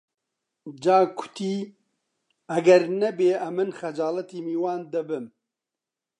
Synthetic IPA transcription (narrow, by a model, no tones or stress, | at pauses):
d͡ʒaːkʰʊ̥t̪ʰiː | ɐɡɛɾnɛbeːʔɐmːɨnxɐd͡ʒaːlɐt̪iːmiːwaːnd̪ɐbɨm